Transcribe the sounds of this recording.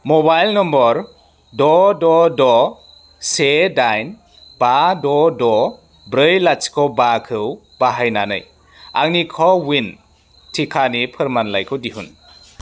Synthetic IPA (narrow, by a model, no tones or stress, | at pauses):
mɔbajlnɔmbɔɾ | dɔdɔdɔ | sedajn | badɔdɔ | bɾɯjlat͡ʃkʰɔbakʰɯw | b̥aɦajnanɯ̰j | a̰ŋnikʰɔwin | tʰikʰanipʰɯɾmanlajkʰɯwdiɦun